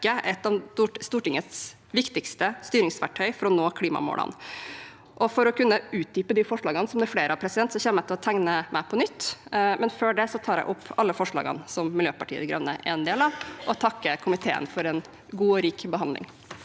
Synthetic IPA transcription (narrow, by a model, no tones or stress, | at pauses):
əʔɛt̪ːɑt̪ust̪uːʈɪŋːət̪s | ʋɪkt̪ɪkst̪əst̪yːɾɪŋsʋæʈʰœʏfɔɾɔnoːkʰliːmɑ̰mo̰ːlə̰n | ʔɔfɔɾɔkʰʉnːəʉːt̪̚d̪yːpəd̪ifɔʂɭɑːɡənsɔmd̪ɛfleːɾəɑʋpʰɾɛsɪd̪ɛnt̪sɔçɛːməɛt̪ɪlɔt̪ʰæŋnəmʔæɪpʰɔnʏt̪ːmɛnføːɖɛsɔt̪ʰɑːɾæ̰ɪʔʊpʰːɑlːəfɔʂɭɑ̰ːɡə̰nsɔmmɪljøːpɑʈʰiːə̰d̪ɡɾɑ̰ʋnːə̰ʔɛnd̪eːlɑʔɔt̪ʰɑkːəkʰʊmɪt̪ʰḛːə̰nfɔɾɛn | ɡuːɔɾiːkbəɦɑnd̪lɪ̰ŋ